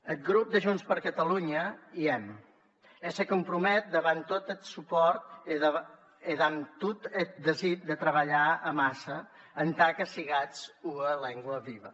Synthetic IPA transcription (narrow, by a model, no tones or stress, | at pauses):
ət̪̚ɡɾup̚d̪əʒunspəɾkət̪əluɲəiɛm | ɛsəkumpɾumɛt̪̚d̪əβant̪ːot̪ət̪supɔɾt̪ | eðant̪ut̪ət̪̚d̪əzit̪̚d̪ət̪ɾəβəʎaəmasə | ənt̪akəsiɣat͡suəlɛŋɡwəβiβə